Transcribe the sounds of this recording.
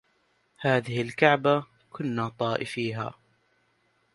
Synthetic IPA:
haːðɪhɪlkaʕba | kʰʊnːaːt̪ˤɑːʔɪfiːɦa̰ː

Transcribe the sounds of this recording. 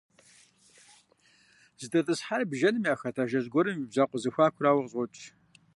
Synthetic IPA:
z̥ɨtʰʼɐtʼɨsħarbʒɐnɨmjaːxɐtʰaːʒɐʑɡʷɔɾɨmibzaqʷʼʊzɨxʷaːkʷʰʊraːwɐʁɕʼʷɔt͡ʃʼ

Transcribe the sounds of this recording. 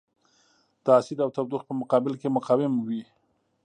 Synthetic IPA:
d̪̥əasɪd̪awt̪ab̚d̪uxpəmʊqɑbɪlkemʊqɑwɪmwi

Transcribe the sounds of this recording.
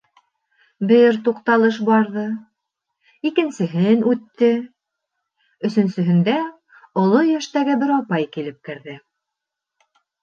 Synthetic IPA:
bɘɾt̪uqt̪ɑlˠɤʃ̬bɑɾðɤ | ikɘ̆nsɘ̆ɦɘnʉt̪ːɘ | ɵ̆sɵ̆nsɵ̆ɦɘ̆nd̪æ | ŏlˠojæʃt̪æɡɘbɘɾɑpɑjkilɘp̚kɘ̆ɾðɘ

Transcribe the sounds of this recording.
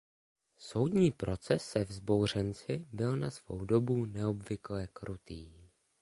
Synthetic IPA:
so̞wdɲiːpɾo̞t͡sɛsːɛvzbo̞wr̝ɛnt͡sɪbɪlnasvo̞̰wdo̞bunɛo̞bvɪklɛkɾʔut̪iː

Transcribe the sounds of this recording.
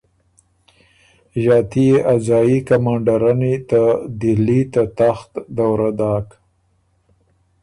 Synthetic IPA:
ʒɑːt̪ieʔazɑikamɑɳɖaɾanit̪ad̪ɪlit̪at̪axt̪d̪awɾad̪ɑːk

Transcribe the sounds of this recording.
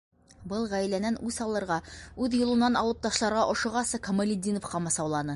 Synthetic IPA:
bɤlˠʁæjlænænʔʉsɑlˠɤ̆ɾʁɑʉðjŏlˠɤ̆nɑnɑlˠɤ̆p̚t̪ɑʃlˠɑɾʁɑʔŏʃŏʁɑsɤkŏmɐlʲɪd̪ʲinofqɑmɑsɑwlˠɑnɤ

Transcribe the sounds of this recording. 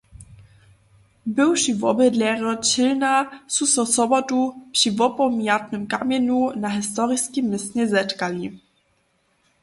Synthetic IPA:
bɪwʃivɔbəd̪lɛʁɔt͡ɕɪlnasusɔsɔbɔtupʂivɔpɔmjat̪nɨmkamʲɛnunaɦɪst̪ɔʁiskimːɪsɲɛzɛtkali

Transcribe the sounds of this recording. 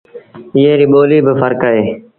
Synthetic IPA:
ɪːeːɾiːɓoːliːbəfəɾkaːɦeː

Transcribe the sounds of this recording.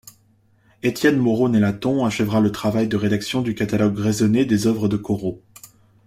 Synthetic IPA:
et̪jɛnmɔʁonelat̪ɔ̃aʃɛvʁalət̪χavajd̪əʁed̪aksjɔ̃d̪ykat̪alɔɡʁezɔned̪ezœvʁəd̪əkɔʁo

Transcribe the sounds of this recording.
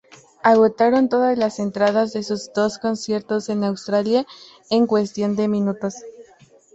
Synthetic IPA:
aɣ̞o̞t̪aɾo̞nt̪o̞ðazlase̞nt̪ɾaðazðe̞suzd̪o̞sko̞nsje̞ɾt̪o̞se̞nawst̪ɾalja | e̞ŋkwe̞st̪jo̞nd̪e̞mĩnut̪o̞s

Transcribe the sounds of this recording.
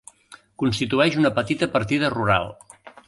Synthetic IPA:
kunst̪it̪uɛʃunəpət̪it̪əpəɾt̪iðəruɾa̰lˠ

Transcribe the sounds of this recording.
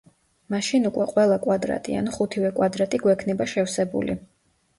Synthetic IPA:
maʃinukʼwɛqʼwɛlˠakʼwad̪ɾa̰t̪ʼḭa̰nχut̪ʰivɛkʼwad̪ɾat̪ʼiɡwɛkʰnɛbaʃɛfsɛbṵlḭ

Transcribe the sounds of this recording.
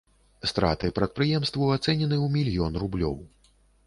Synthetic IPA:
st̪ɾa̰t̪ɨpɾɐt̪̚pɾɨjɛmst̪vuat̪sɛnʲɛnɨwmʲilʲjɔnrublʲɔ̰w

